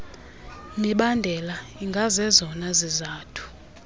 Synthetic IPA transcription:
miɓandʱɛlaiŋɡʱazɛzɔnazizaːtʰu̥

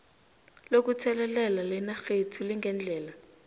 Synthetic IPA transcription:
lok̬ut͡sʰɛlɛlɛlalɛnaxetʰuliŋɡʱɛnd͡ɮʱɛːla

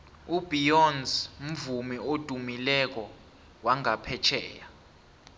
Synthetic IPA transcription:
ubijɔnzm̩vumiod̥ʱumilɛk̬ɔ | waŋapʰɛt͡ʃʰɛːja

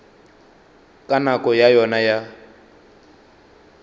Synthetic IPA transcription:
kʼanakʼɔjajɔnaja

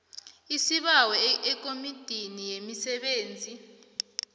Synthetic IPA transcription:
isiɓawɛɛk̬ʼomid̥ʱinijemisɛɓeːnd͡zʱi

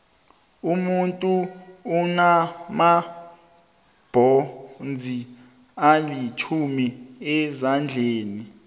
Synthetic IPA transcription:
umuntʼuː | nama | b̥ʱɔnd͡zʱi | alit͡ʃʰumiɛzand͡ɮʱeːni

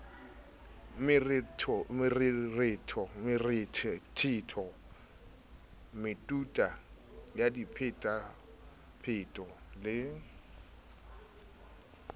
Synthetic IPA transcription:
mɪrtʰmɪrrɪtʰɔmɪrɪtʰɪtʰɔ | mɪtʼutʼajadipʰɪtʼa | pʰɪtʼɔlɪ

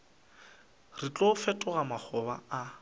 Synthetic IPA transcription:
rɪt͡ɬʼofɛtʼʊɣamaχʰɔba̰a

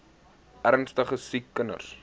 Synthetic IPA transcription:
ʔærnstəχəsikːənə̰rs

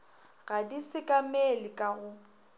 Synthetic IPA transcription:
ɣadisɪkʼamelɪkʼaɣʊ

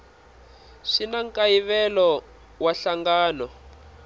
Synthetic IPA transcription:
ʂinaŋkaiβɛlɔ | waɬaŋɡaːnɔ

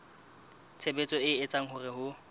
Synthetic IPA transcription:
t͡sʰebet͡sʼɔɪɪt͡sʼaŋ̩hʊrɪhʊ

